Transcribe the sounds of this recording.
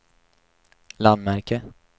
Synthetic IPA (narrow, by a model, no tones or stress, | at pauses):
land̪mæɾkə